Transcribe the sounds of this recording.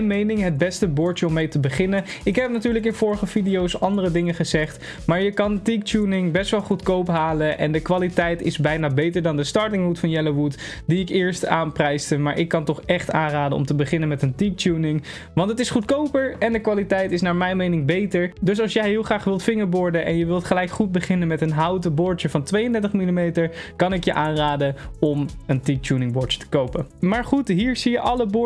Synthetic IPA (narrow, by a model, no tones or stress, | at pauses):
jnmejnɪŋɦəd̚bɛstəbʊːɹtəɔmːejtəbəχɪnəɪkɦɛp̚natyːɹləkɪnvʊːɹəχəfidijowsɑndərədɪŋəχəzɛχt | maːɹjəkɑntik̚tuːnɪŋbɛstʋɛlˠχutkowpɦaːləʔɛ̰ndəkʋaːlitɛjtɪzbɛjnaːbejtəɹdɑndəstɑɹtɪŋɦutfɑnjɛloʋut | diɪkɪːɹstaːnprɛjstəmaːɹʔɪkːɑntɔχɛχtaːnraːdənɔ̰mtəbəχɪnənmɛtəntik̚tuːnɪŋ | ʋɑntətɪsχutkowpəɹɛndəkʋaːlitɛjtɪsnaːɹmɛjnmejnɪŋbejtəɹdɵs̬ɑlˠsjɛjɦɪːlˠχraːχʋɪlˠtfɪŋəɹbʊɹdənʔɛ̰njəʋɪlˠtχəlɛjkχud̚bəχɪnənmɛtənɦɑwtəbʊɹəvɑntʋejəndɛɹtəχmilimejtəɹkɑnɪkjəʔaːnraːdəɔməntik̚tuːnɪŋbɔɹə̥tə̥kowpəmaːɹχutɦiːɹzijəʔɑləbʊ